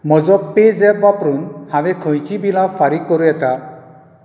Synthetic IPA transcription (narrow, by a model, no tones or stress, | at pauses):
mɔzɔezɛbbapɾunhãwɛkʰɔ̃jkʰibilafʰaɾikːɔɾuɛt̪a